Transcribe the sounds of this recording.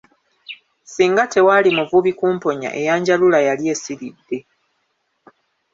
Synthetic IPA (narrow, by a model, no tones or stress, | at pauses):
siːŋɡate̞walimuvuβikuːmpo̞ɲa̰ʔe̞jaːɲɟalulajalje̞ːsiɾidːe̞